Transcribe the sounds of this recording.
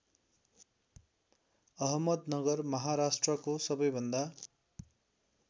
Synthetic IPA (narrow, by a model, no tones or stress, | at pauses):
ʌɦʌmʌd̪nʌɡʌrmʌɦaɾasʈrʌkosʌbʌjbʱʌnd̪a